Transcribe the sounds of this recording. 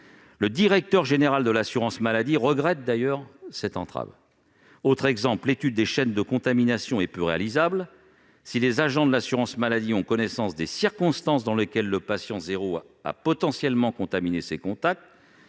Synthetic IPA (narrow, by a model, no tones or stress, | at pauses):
ləd̪iʁɛk̚t̪œʁʒeneʁald̪əlasyʁɑ̃smalad̪iʁəɡʁɛt̪̚d̪ajœʁsɛt̪ɑ̃t̪χa̰v | ot̪χɛɡzɑ̃plet̪yd̪̚ːeʃɛnd̪əkɔ̃t̪aminasjɔ̃ɛpyʁea̰lizabl | silezaʒɑ̃d̪əlasyʁɑ̃smalad̪iɔ̃kɔnɛsɑ̃sd̪esiʁkɔ̃st̪ɑ̃s̬d̪ɑ̃ləkʲɛlːəpasjɑ̃zeʁo | a̰pɔt̪ɑ̃sjɛlmɑ̃kɔ̃t̪aminesekɔ̃t̪ak̚t̪